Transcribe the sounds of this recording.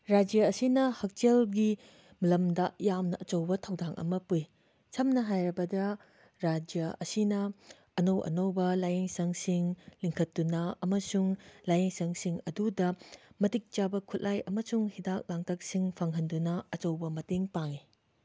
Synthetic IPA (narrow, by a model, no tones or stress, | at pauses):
ɾad͡ʒijɐːsinɐhɐk̚t͡ʃelɡi | milɐmdɐjamnɐʔɐt͡ʃɐwbɐtʰɐwdaŋʔɐ̰mɐpuj | t͡ʃʰɐmnɐɦajɾɐbɐdɐ | ɾad͡ʒijɐɐ̰sinɐː | nowʔɐ̰nowbɐlajeŋsɐŋsiŋliŋkʰɐt̚dunɐɐmɐsuŋlajeŋsɐŋsiŋɐdudɐmɐtik̚t͡ʃabɐkʰut̚lʔajɐmɐsuŋhidak̚laŋtʰɐk̚siŋpʰaŋɦɐndunɐɐt͡ʃɐwbɐmɐteŋpaŋi